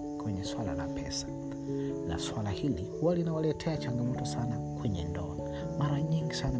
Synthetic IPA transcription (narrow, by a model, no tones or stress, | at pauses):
kwɛɲɛswala̰la̰pʰɛsḁ | na̰swalahilihuwalinawalɛtʰɛat͡ʃaŋɡamɔtɔsanakwɛɲɛndɔ̰ | maɾaɲiŋɡisana